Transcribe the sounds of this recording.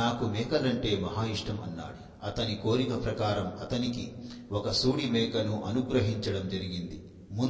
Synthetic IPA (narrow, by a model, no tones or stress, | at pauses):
aːkumɛːkɐlɐɳʈe̞ːmɐɦaːjiʂʈɐmɐ̰nːa̰ːɽi | ɐt̪ɐniko̞ːɾikɐpɾɐkaːɾɐmɐt̪ɐnikiɔkɐsuːɽimɛːkɐnuʔɐnuɡɾɐɦiɲt͡ʃɐɽɐmd͡ʒɐɾiɡind̪i | mu